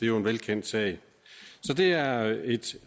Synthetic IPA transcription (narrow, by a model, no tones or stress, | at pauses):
d̥e̝jo̝e̝nʋelkʰen̰d̥sɛ̰ɪ | sɒ̽d̥e̝æɐe̝d̥